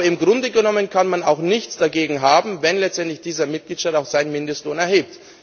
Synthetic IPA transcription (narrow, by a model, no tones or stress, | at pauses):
ɪmɡʁʊndəɡənɔmənkʰanmanaʊxnɪçt͡sd̥aɡeːɡŋ̩ɦaːbm̩vɛnlɛt͡stɛntlɪçd̥iːzɐmɪt̚ɡ̥liːtʃtaːtaʊxz̥aɪnmɪndəstloːnɛɐheːp̚t